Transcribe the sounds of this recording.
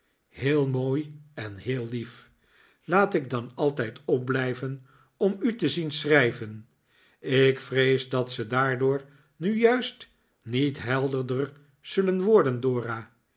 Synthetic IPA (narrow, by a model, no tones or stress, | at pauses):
heːlˠmoːjɛnheːlˠːif | laːtɪɡ̚dɑnɑlˠtɛjtɔp̚blɛjvən | ɔmytəzinsrɛjvən | ɪkfrejzdɑtsədaːɹdʊːɹ | nyjœɥst | nitɦɛlˠdəɹdər | z̥ɵlənʋɔɹdəndoːraː